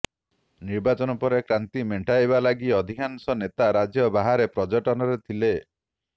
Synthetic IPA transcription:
niɾbat͡ʃɔnɔpɔɾekɾant̪imeɳʈʰajβalaɡiɔd̪ʱikʰansɔnet̪aɾad͡ʒjɔbaɦaɾepɾɔd͡ʒɔʈɔnɔɾet̪ʰile

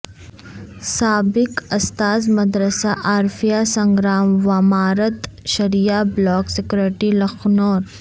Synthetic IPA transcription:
saːbɪkɐst̪aːzmɐd̪ɾəsaʔaːɾfʰijasɐ̃ŋɡɾaːmʋamaːɾət̪ʃɐɾijablɔːksɪkɾeʈilɐxnoːɾ

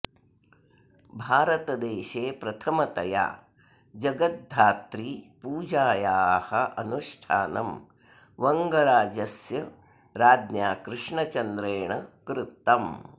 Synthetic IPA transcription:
bʱaːɾɐt̪ɐd̪eːʃeːpɾɐt̪ʰɐmɐt̪ɐja̰ː | d͡ʒɐɡɐt̪̚d̪ʱaːt̪ɾiːpuːd͡ʒaːjaːhɐʔɐnuʂʈʰaːnɐm | ʋɐŋɡɐɾaːd͡ʒɐsjɐ | ɾaːd̪njaːkɾɪʂɳɐt͡ʃɐnd̪ɾeːɳɐkɾɪt̪ːɐm

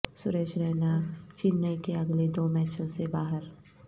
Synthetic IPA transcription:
sʊɾeːʃɾɛːnat͡ʃɪnːəkeɐɡled̪oːmɛːt͡ʃʰõsebaːɦəɾ

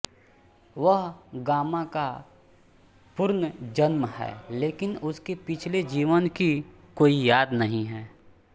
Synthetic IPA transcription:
ʋəɦɡaːmãka | pʊɾnd͡ʒɐnmhɛ̰ːleːkɪnʊskepɪt͡ʃʰled͡ʒiːʋənki | koːijaːd̪nɐɦĩɦɛː

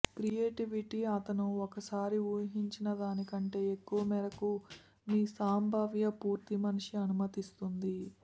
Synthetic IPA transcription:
kɾijeːʈiʋiʈiɐt̪ɐnuɔkɐsaːɾiuːjɐɦiɲt͡ʃinɐd̪aːnikɐɳʈe̞ːekːuʋɐmɛːɾɐku | miːsaːmbʱaːʋjɐpuːɾt̪imɐnuʂiɐnumɐt̪ist̪und̪i

